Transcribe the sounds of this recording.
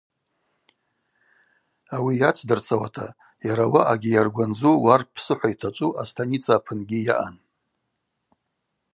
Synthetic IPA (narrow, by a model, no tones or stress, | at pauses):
awijat͡ʃʷʰdɨrt͡sʰʼawa̰tʰa̰ | jaɾawaʔaɡʲijarɡʷand͡zuwarpʰsɨħʷaitʰat͡ʃʷʼuʔastʰanit͡sʰaːpʰɨnɡʲija̰ʔan